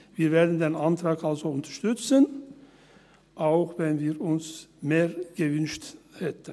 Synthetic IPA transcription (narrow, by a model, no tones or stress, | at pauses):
viːɐveːɐdn̩deːnantʁ̥aːkalzoʊntɐ̥ʃtʏt͡sən | ʔaʊxvɛnviːɾʊnsmeːʁɡ̥əvʏnʃthɛtən